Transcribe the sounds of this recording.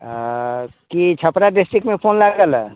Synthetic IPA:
kit͡ʃʰəpɾaɖɪsʈɾikmẽpʰoːnlaɡəl

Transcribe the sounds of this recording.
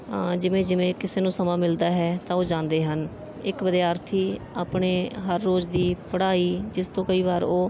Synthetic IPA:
d͡ʒɪʋẽːd͡ʒɪʋẽːkɪseːnũːsəmãːmɪld̪aːɦɛːt̪ãːoːd͡ʒãːnd̪eːɦən | ɪkʋəd̪jaːɾt̪ʰiːaːpɳeːɦəɾːoːd͡ʒd̪iːpəɽaːiːd͡ʒɪst̪õːkəiːβaːɾoː

